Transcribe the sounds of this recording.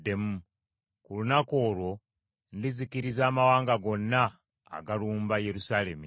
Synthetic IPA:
de̞mu | kulunako̞ːlwo̞ | ndizikiɾizaːmawaːŋɡaɡo̞nːa̰ː | ɡaluːmbaje̞ɾusaːle̞mi

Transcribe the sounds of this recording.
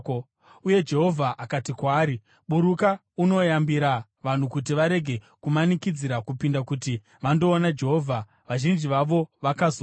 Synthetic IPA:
uje̞d͡ʒe̞ɦo̞vʱaʔakatikwaːɾi | ɓuɾuka | uno̞jambiɾa | ʋan̤ukutiʋaɾe̞ɡʱe̞ | kumanikid͡ziɾakupindakuti | ʋando̞ːnad͡ʒe̞ɦoːvʱa | ʋaʒind͡ʒiʋaʋo̞ʋakazo

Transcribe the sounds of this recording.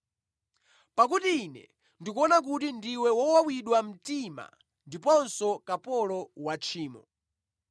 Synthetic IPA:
pak̬utiːnɛ̰ | ndik̬uɔnak̬utindiwɛwɔwawiɗwam̩tima̰ | ndipɔnsɔkapɔlɔwat͡ʃʰiːmɔ̰

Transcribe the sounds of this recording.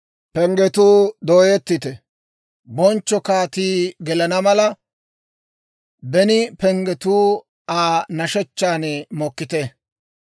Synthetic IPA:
pɛŋɡɛt̪uːd̪oːjɛt̪ːɪt̪ɛ | bɔnt͡ʃːɔkaːt̪iːɡɛlɐnɐmɐlɐ | bɛnɪpɛŋɡɛt̪uː | aːnɐʃɛt͡ʃːaːnɛmɔkːɪt̪ɛ

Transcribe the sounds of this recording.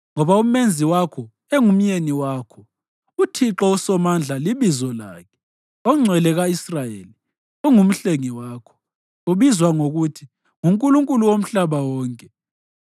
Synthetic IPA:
ŋɔβaum̩mend͡zʱiwakʰɔ | eŋum̩jeniwaːkʰɔ | utʰiǁɔusɔmand͡ɮʱaliβizɔla̰ːkʰɛ̥ | ɔŋ͡ǀʱɛlɛɣaisrajeːli | uŋum̩ɬeŋiwaːkʰɔ̥ | uβizwaŋoɣutʰi | ŋuŋkʼuluŋkʼuluwom̩ɬaβawɔːŋkʼɛ

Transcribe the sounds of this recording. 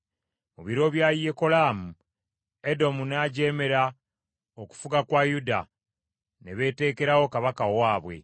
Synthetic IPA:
muβiɾo̞βjaːjieko̞laːmu | e̞do̞munaːɟeːme̞ɾa | oku̥fuɡakwaːjuda̰ | neβe̞ːte̞ːke̞ɾawo̞kaβakawaːβwe̞̰

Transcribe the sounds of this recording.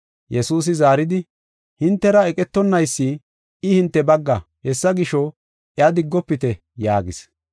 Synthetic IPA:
jɛsuːs̬ɪzaːɾɪd̪ɪ | hɪnt̪ːɛɾɐɛkʼɛt̪ːɔnːɐjsːi | ɪhɪnt̪ːɛbɐɡːɐhɛsːɐɡɪʃɔ | ɪɐd̪ɪɡːɔpːɪt̪ɛ | jaːɡɪ̰s

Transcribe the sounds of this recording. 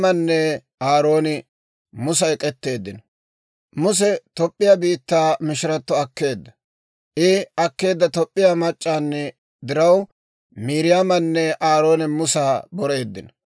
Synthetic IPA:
mɐnːɛ | aːɾo̞ːnɪ | mʊs̬ɐɛkʼɛt̪ːe̞ːd̪ːɪnɔ | mʊs̬ɛt̪ɔpʼːɪjabiːt̪ːaːmɪʃɪɾɐt̪ːɔɐkːe̞ːd̪ːɐ | ʔɪɐkːe̞ːd̪ːɐt̪ɔpʼːɪjamɐt͡ʃʼːaːnːɛ | d̪ɪɾɐw | miːɾɪjamɐnːɛʔaːɾo̞ːnɪmʊsaːbɔɾe̞ːd̪ːɪnɔ

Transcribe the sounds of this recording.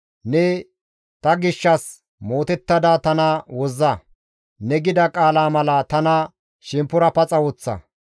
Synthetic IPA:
nɛ | t̪ɐɡɪʃːɐs | mo̞ːt̪ɛt̪ːɐd̪at̪ɐnɐwɔzːɐ | nɛɡɪd̪ɐkʼaːlaːmɐlɐt̪ɐnɐ | ʃɪmpːʊɾɐpɐt͡sʼɐwɔt͡sːɐ̰

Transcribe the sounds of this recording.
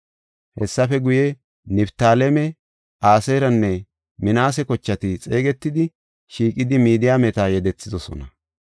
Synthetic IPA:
hɛsːɐfɛɡʊjɛ | nɪbt̪aːlɛmɛ | aːseɾɐnːɛ | mɪnaːs̬ɛkɔt͡ʃːɐt̪ɪt͡sʼe̞ːɡɛt̪ːɪd̪ɪ | ʃiːkʼːɪd̪ɪmiːd̪ɪjaːmɛt̪aːjɛd̪ɛt͡sːɪd̪ɔsɔ̰nɐ

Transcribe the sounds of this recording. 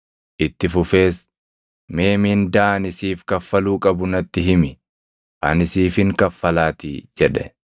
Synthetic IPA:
ʔɪt̪ːɪfʊfe̞ːs | me̞ːmiːnd̪aːɐnɪsiːfkɐfːɐluːkʼɐbʊnɐt̪ːɪɦɪmɪ | ʔɐ̰nɪsiːfɪŋkɐfːɐlaːt̪ɪ̰d͡ʒɛᶑɛ̰

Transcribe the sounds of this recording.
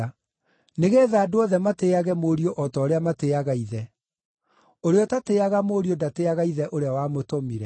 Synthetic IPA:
neɣeːðaːdoɔðɛmateaɣɛmoːɾioʔɔtɔːɾeamateaɣaiðɛ | oɾeɔtateaɣamoːɾiodateaɣaiðɛʔoɾeawamotomiɾɛ

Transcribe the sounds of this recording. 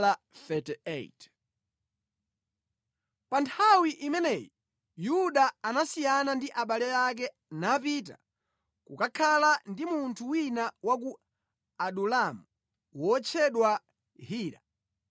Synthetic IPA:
la | fɛtɛḛjt | pantʰawiʔimɛnɛjɔ | juɗaanasijanandiʔaɓalɛjak̬ɛ | napit̬a̰ | kukakʰalandimuntʰuwinawak̬u | aɗulamu | wɔt͡ʃʰɛɗwa | hiːɾa̰

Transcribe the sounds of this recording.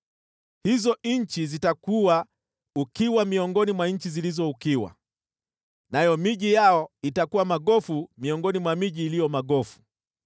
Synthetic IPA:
hizɔɲ̩t͡ʃizitakuwa | ukiwamiɔŋɡɔnimwaɲ̩t͡ʃizilizɔukiwa̰ | najɔmiʄijaɔitakuwamaɠɔfumiɔŋɡɔnimwamiʄiːlijɔmaɠɔfu̥

